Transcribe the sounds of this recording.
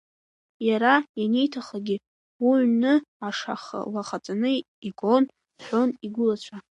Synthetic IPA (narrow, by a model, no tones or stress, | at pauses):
jaɾajane̞jtʰaχaɡʲi | uʕnɨaʂa̰χa̰laχat͡sʼanɨ | iɡʼo̞n | ħʷo̞niɡʷʊlat͡ɕʷʰa